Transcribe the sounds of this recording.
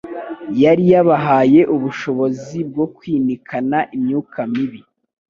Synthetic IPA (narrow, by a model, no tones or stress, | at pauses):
jaɾijaβaɦaːje̞ʔuβuʃo̞βo̞zib̚ɡo̞kwiːnikʰanaʔimɲuːkʰamiβi